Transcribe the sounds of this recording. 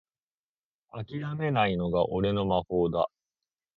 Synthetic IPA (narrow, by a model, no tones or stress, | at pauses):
akʲiɾame̞naino̞ɡaʔo̞ɾe̞no̞maɸo̞ːd̪a̰